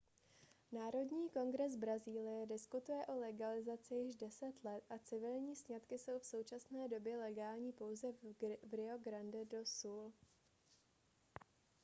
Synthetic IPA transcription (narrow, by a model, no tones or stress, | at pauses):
naːɾo̞dɲiːko̞nɡɾɛz̬bɾaziːlɪjɛdɪskut̪ujɛʔo̞lɛɡalɪzat͡sɪjɪʒdɛsɛt̪lɛt̪ʔat͡sɪvɪlɲiːsɲat̪kɪso̞wfso̞wt͡ʃasnɛːdo̞bjɛlɛɡaːlɲiːpo̞wzɛvɾɪo̞ɡɾandɛdo̞suːl